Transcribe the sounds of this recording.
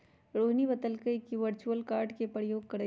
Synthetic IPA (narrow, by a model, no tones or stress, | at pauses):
ɾoːɦnibət̪əlkəikiʋəɾt͡ʃuəlkaːɾɖkepɾəjoːɡ̚kɐɾe